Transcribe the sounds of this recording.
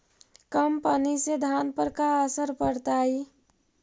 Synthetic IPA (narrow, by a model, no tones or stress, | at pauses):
kəmpənised̪ʱanpəɾkaəsəɾpəɾt̪ai